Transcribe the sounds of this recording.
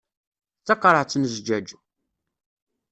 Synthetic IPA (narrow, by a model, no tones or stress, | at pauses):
t͡sːɑqːɾˤəʕt͡sːənəzd͡ʒæd͡ʒu